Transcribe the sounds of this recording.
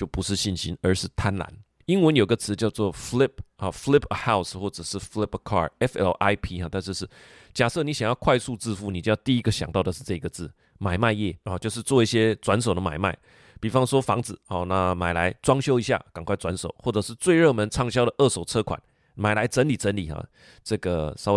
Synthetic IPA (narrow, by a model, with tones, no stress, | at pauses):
t͡ɕjo˥˩ʊpu˧˦ʂɻ̩˥˧ɕi˥˩nɕi˥nə˞˧˥ʂɻ̩˥˩t̪ʰa˦nla̰˧˦n | i˥nwə˧˥njo˨˩i˦ɡə˧t͡sʰɹ̩˧˦t͡ɕjɑ˥˧ʊt͡swɔ˥˩fli˥˩p̚ə˨˩fli˥˩pə˨ha˥˩ʊsxwɔ˥˩ʈ͡ʂɤ˨˩ʂɻ̩˥˩fli˥pə˧kʰɑ̰˥˩ɛ˦fɛ̰˥lʔa˥ɪpʰi˥˧a˨˧t̪a˥˧nʂɻ̩˥˧ʂ̩˥˩ | t͡ɕja˨˩sɤ˥˩ni˨˦ɕjŋjɑ˥˧ʊkʰwa˥˧ɪsu˥˧t͡sɹ̩˥˧fu˥˩ni˨t͡ɕo˥˧jɑ˥˧t̪i˥˩i˦˥ɡə˨ɕjɑ˨˩ŋt̪ɑ˥˩ʊd̪ə˩ʂɻ̩˥˧t͡sɤ˥˧˩i˧˥ɡə˨t͡sɹ̩˥˩ | ma˨˩ɪma˥˧ɪjɛ˥˩ɔ˨t͡ɕjo˥˧ʊʂ̬ɻ̩˥˧t͡swɔ˥˧i˥˩ɕjɛ˥t͡swa˧˥ns̬o˨˩ʊd̪ə˦ma̰˨˩ɪma˥˩ɪ | pi˨˩fɑ˥ŋswɔ˥fɑ˧˥ŋd͡zɹ̩˨˩hɔ˨˩na˥˧ma˨˩ɪla˧˦ɪt͡swɑ˥ŋɕjo˥ʊi˧˥ɕ̬ja̰˥˩ka˨˩ŋkʰwa˥˩ɪt͡swa˧˦nso˨˩ʊxwɔ˥˩ʈ͡ʂɤ˨˩ʂɻ̩˥˧t͡swe˥˧ɪɻɤ˥˩mə˧˦nt͡sʰɑ˥˩ŋɕ̬jɑ˥ʊɾə˨ʔɤ˥˩so˨˩ʊt͡sʰɤ˥kʰwa̰˨˩˦n | ma˨˩ɪla˧˥ɪt͡sə˧˦nli˨˩t͡sə˧˦˥nli˨˩ha̰˨˩ | t͡sɤ˥˩ɡə˩sɑ˥ʊ˥